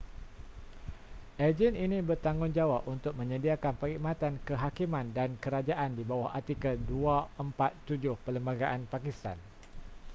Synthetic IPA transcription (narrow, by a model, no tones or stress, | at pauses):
ʔad͡ʒɛninĩbərt̪aŋʊnd͡ʒawap̚unt̪ʊk̚mə̃ɲə̃diakanpəɾiʔmãt̪ankəɦakimãndankəɾad͡ʒaʔandibawahat̪ikaduaəmpat̪ːud͡ʒʊhpələmbaɡaʔanpakist̪a̰n